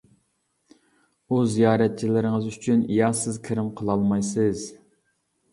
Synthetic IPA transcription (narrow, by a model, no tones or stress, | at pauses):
uzijɑːɾɛt̪̚t͡ʃʰilɪɾɪŋəzyt͡ʃʰynijɑsɪzkʲʰɪɾɪmqʰəlˠɑlˠmɑjsɨz